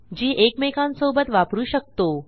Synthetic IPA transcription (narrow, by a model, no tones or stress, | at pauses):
d͡ʑiːʔekmekãnsobət̪ʋapɾuːɕək̚t̪o